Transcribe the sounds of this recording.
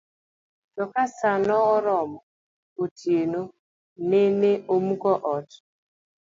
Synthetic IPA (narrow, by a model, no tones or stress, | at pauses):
tɔkasanɔɔɾɔmɔ | otieno | neneʔomukɔʔɔt